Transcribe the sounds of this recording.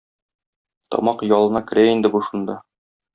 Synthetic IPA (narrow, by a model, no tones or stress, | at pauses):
t̪ɒ̰mɑqjɒlˠɤ̆nɑkɵ̆ɾʔæind̪ɘbuʃund̪ɑ